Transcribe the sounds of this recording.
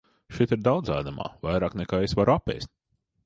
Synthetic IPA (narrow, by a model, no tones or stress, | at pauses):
ʃit̪iɾd̪awd̪zaːd̪ama̰ːvajɾaːknɛkaːesvaɾuapʲːɛ̰jsʲt̪ʲ